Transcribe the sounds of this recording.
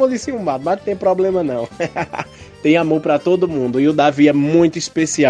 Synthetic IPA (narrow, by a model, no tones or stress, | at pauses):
õd̪isĩũmad̪ʊmast̪ẽj̃pɾɔblẽmɐnɐ̃w̃ | t̪ẽj̃amoɾpɾɐt̪od̪ʊmũnd̪ʊɪʊd̪aviɛmũj̃t̪ʊispesia